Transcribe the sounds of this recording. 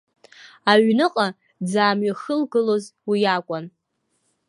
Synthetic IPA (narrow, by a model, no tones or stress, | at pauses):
aɥnɨqʼa | d͡zaːmɥaχəlɡɨlozwijakʷʼan